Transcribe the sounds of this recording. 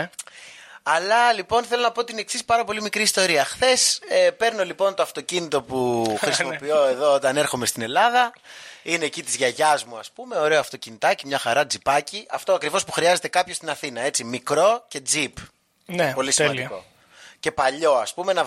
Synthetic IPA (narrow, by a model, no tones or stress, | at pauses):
ɐlɐlipo̞nθelo̞nɐpo̞t̪ineksispɐɾɐpo̞limikɾiːst̪o̞ɾiɐxθe̞sepe̞ɾno̞lipo̞nt̪oɐft̪o̞cinit̪o̞puxɾisimo̞pio̞e̞ðo̞ot̪ɐne̞ɾxo̞me̞st̪ine̞lɐðɐineːcit̪izʝɐʝɐzmuɐspume̞o̞ɾe̞oɐft̪o̞cinit̪ɐcimɲɐxɐɾɐd͡zipɐciʔɐft̪o̞ɐkɾivo̞spuxɾiɐze̞t̪e̞kɐpçost̪inɐθinɐe̞t͡simikɾo̞ce̞d͡zip | npo̞lisimɐnd̪iko̞̰ | ce̞pɐʎo̞ɐspumenɐ